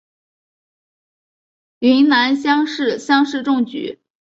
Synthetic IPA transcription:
li˧˥ŋna˧˥nɕjɑ˥ŋʂɻ̩˥˩ɕjɑ˥ŋʂɻ̩˥˧ʈ͡ʂʊ˥˩ŋt͡ɕy̰˨˧˥

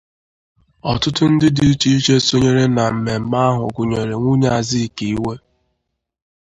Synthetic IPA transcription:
ɔ˨tʊ˦tʊ˦n̩˦dɪ˦di˨i˦t͡ʃi˦i˦t͡ʃe˦so˦ɲe˦ɾe˦na˨m̩˨me˨m̩˨˦ma˦ɦʊ̰˨ɡʊ˨ɲe˨ɾe˨ŋʷu˦ɲe˦a˨zi˦˨ki˨i˦we˦

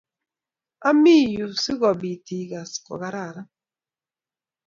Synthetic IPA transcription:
a˦mi˦˨ju˨si˦ɣɔ˨bi˨ti˨ɡa˨skɔ̰˨ɣa˨ɾa˦˨ɾa˦

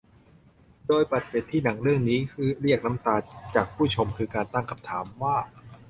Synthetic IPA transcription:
doː˧jpa˨˩t̪̚pe˨˩t̪ʰːiː˥˩na˩˦ŋɾɯ˥˩əŋniː˦˥kʰɯː˧˩ɾi˥˩ək̚na˦˥mt̪aː˧t͡ɕaː˨˩k̚pʰuː˥˩t͡ɕʰo˧mkʰɯː˧kaː˧nt̪a˥˩ŋkʰa˧mt̪ʰaː˩˦mwaː˥˩

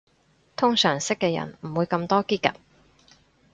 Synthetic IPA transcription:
t̪ʰʊ˥ŋsœː˨˩ŋsɪ˥kːɛː˧jɐ̰˨˩nm̩˨˩wuː˨˧jkɐ˧mt̪ɔː˥kiː˥kɐ̰˨t̚

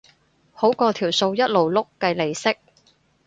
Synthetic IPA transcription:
ho˨˥wkɔː˧t̪ʰiː˨˩wso˧wjɐ˥t̚lo˨˩wlʊ˥kːɐ˧jle˨˩jsɪ˥k̚

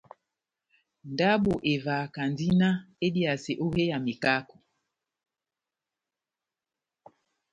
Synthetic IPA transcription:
n˨da˦ɓo˨ʔe˨va˨ka˨ndi˦na˦e˦di˦a˨se˨ʔo˦he˦ja˨mi˨ka˦ko˨

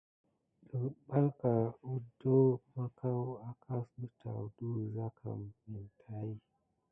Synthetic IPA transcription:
ɗə˨ɓa˦lka˨u˦do˦ma˦ka˦wa˦kʰa˦sdə˨ta̰˨du˦za˦kʰa̰˨mmi˨ntʰa˦i˦

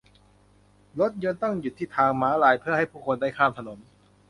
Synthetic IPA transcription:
lo˦˥t̪̚ɲɤː˧nt̪ɔ˥˩ŋju˨˩t̪ʰːiː˥˩t̪ʰaː˧ŋmaː˦˥laː˧˩jpʰɯ˥˩ɐha˥˩jpʰuː˥˩kʰo˧nda˥˩jkʰaː˥˩mt̪ʰa˧no˩˦n

